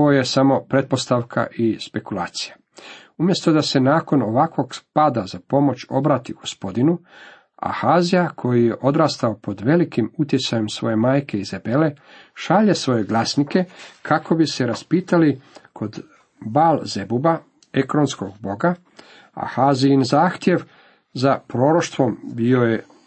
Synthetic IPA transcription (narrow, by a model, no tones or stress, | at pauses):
ooje̞samo̞pɾe̞t̪̚po̞st̪aʋkʰa̰ʔispe̞kulˠaːt̪si̥ja | umje̞st̪o̞d̪ase̞naːko̞no̞ʋakʋo̞ɡpad̪azapo̞mo̞t͡ɕo̞̰bɾaːt̪iɡ̥o̞spo̞d̪inu | a̰xaːzijakʰo̞jije̞ʔo̞d̪ɾaːst̪ao̞po̞d̪ʋe̞likimut̪jet̪sajemsʋo̞je̞maːjke̞izebe̞le̞ | ʃaʎe̞sʋo̞je̞ɡlasnike̞kʰakʰo̞bise̞ɾaspiːt̪alikʰo̞d̪ | baːlze̞buba | e̞kɾo̞nsko̞ɡbo̞ɡa | a̰haːziinzaːxt̪je̞ʋ | zapɾo̞ːɾo̞ʃt̪ʋo̞mbio̞je